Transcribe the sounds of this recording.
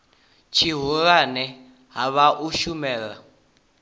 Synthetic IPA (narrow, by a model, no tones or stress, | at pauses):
t͡ʃʰiɦuɺanɛ | ɦaβaʔuʃumɛːɺa̰